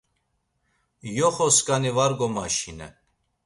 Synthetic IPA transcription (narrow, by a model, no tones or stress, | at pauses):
jɔχɔskʼanivaɾɡɔmaʃinɛ̰